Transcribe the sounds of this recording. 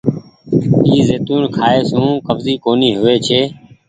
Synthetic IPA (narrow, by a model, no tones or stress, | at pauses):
iːzeːt̪uːnkʰaːeːsũːkəbziːkoːniːɦʊʋeːt͡ʃʰeː